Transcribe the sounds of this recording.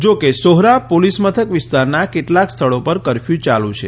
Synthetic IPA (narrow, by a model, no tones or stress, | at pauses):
d͡ʒokesoɦɾapolismət̪ʰəkʋɪst̪aɾnakeʈlakst̪ʰəɭopəɾkəɾfjũt͡ʃalũt͡ʃʰe